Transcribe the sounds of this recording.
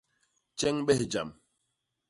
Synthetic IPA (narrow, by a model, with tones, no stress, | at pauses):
t͡ʃɛ˦ŋɓɛ˦hd͡ʒa̰˨m